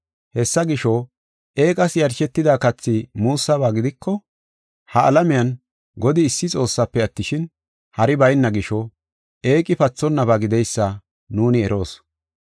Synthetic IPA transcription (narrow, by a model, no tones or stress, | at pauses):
hɛsːɐɡɪʃɔ | ʔe̞ːkʼɐsjɐɾʃɛt̪ːɪd̪aːkɐt͡sːɪmuːsːɐβaːɡɪd̪ɪkːɔ | hɐɐlɐmɪjɐn | ɡɔd̪ɪːsːɪt͡sʼo̞ːsːɐpːɛɐt̪ːɪʃɪn | hɐɾɪbɐjnːɐɡɪʃɔ | e̞ːkʼɪpɐt͡sːɔnːɐbaɡɪd̪ɛjsːɐ | nuːnɪɛɾo̞ːs